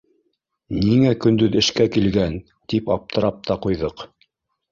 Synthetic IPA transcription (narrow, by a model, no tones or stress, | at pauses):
niŋækɵ̆nd̪ɵðɘ̆ʃkækilɡæn | t̪ipɑp̚t̪ʰɤ̆ɾɑp̚t̪ɑqujðɤq